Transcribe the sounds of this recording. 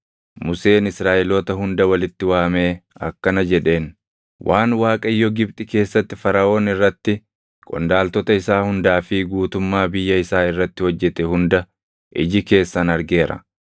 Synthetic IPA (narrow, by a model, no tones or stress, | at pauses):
mʊse̞ːnɪsɾaːʔɛloːt̪ɐɦʊnd̪ɐwɐlɪt̪ːɪwaːme̞ːɐ̰kːɐnɐd͡ʒɛᶑe̞ːn | wʔaːnwaːkʼɐɪjːɔɡɪbt̪ʼɪke̞ːsːɐt̪ːɪfɐɾɐo̞ːnɪrːɐt̪ːɪ | kʼɔ̰nd̪aːlt̪ɔt̪ɐɪsaːhʊnd̪aːfɪɡuːt̪ʊmːaːbɪjːɐɪsaːɪrːɐt̪ːɪhɔd͡ʒːɛt̪ɛhʊnd̪ɐ | ʔɪ̰d͡ʒɪke̞ːsːɐnɐɾɡe̞ːɾɐ̰